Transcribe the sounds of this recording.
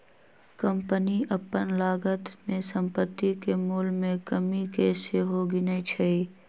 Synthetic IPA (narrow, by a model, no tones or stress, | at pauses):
kəmpəniʔəpːənlaːɡət̪mẽsə̃mpət̪ːikemʊːlmẽkəmikeseɦoɡinəit͡ʃʰəi